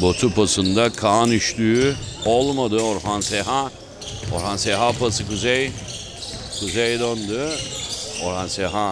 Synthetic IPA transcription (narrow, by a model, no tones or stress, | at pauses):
bot̪ʰupʰasɯnd̪akʰaːnyʃlyːolˠmad̪ɯoɾɦanseɦa | o̰ɾhanseɦapʰasɯkuzej | kʰuzejd̪ond̪ʊ | oɾhanseɦa